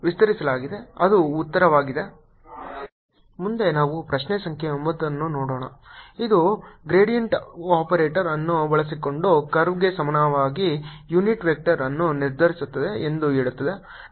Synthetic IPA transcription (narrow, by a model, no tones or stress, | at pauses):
ʋist̪ɐɾisɐlaːɡid̪eɐd̪uːt̪ːɐɾɐʋaːɡid̪e̞ | mund̪e̞naːʋupɾɐʃnesɐŋkʰjeombɐd̪ːɐnːunoːɽoːɳɐid̪uɡɾeːɽijɐɳʈaːpɐɾeːʈɐɾɐnːubɐɭɐs̬iko̞ɳɖukɐɾʋɡesɐmɐnɐʋaːɡijuniʈʋek̚ʈɐɾɐnːuniɾd̪ʱɐɾisut̪ːɐd̪e̞end̪ueːɭut̪ːɐd̪e̞